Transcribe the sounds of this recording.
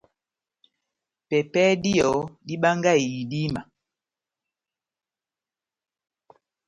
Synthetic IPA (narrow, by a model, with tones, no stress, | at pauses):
pɛ˨pɛ˦di˦jɔ˨di˦ɓa˦ŋɡa˦˨i˨i˨di˦ma˨